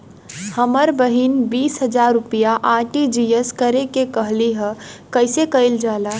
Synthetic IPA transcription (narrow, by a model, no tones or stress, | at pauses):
həməɾbəɦinbiːsɦəd͡ʒaːɾːʊpijaʔaːʈid͡ʒijəskəɾekekəɦliɦə̃kəɪsekəɪld͡ʒaːlaː